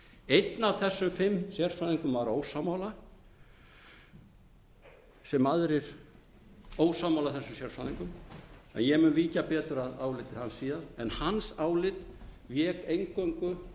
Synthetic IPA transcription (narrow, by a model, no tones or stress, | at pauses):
ejt̪navθɛsːʏmfɪmːsjɛr̥faðiŋkʏmvaɾoːwsamawla | sɛmaðɾɪɾ̥ | oːwsaːmawlaθɛsːʏmsjɛɾ̥faðiŋkʏmɛ̰njɛmʏnviːcapɛːt̪ʏɾaðaːwlɪt̪ɪhansiːðaðɛnhansaːwlɪt̪ | vjɛkejŋkoŋkʏ